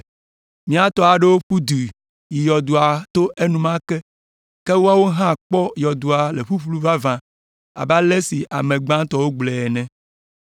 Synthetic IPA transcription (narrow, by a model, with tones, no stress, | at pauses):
mĩ˦a˨t̪ɔ˦a˨ɖe˦wo˦ɸu˦d̪u˨ | i˨jɔ˨d̪u˨a˨t̪o˦ʔe˦nũ˦mã˦kɛ˦ | ke˦wo˦a˦wo˦ɦã˦k͡pɔ˦jɔ˨d̪u˨a˨le˨ɸu˦ɸlu˦va˦vã˨ | a̰˨ba˦le˦si˨ʔa˨mẽ˨ɡ͡bã˦t̪ɔ˦wo˦ɡ͡blɛ˨ɛ˨nɛ̃˦